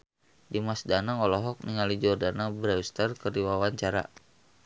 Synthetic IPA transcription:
dimasdanaɔlɔɦɔk̚niŋalid͡ʒɔrdanabɾɛwst̪ərkərdiwawaɲt͡ʃaɾa̰

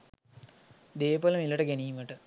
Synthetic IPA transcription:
d̪eːpoləmiləʈəɡeniːməʈə

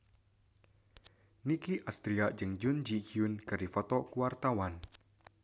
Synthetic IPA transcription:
nikiʔast̪ɾiad͡ʒɨŋd͡ʒund͡ʒikiunkɨɾifɔt̪ɔkuart̪awan

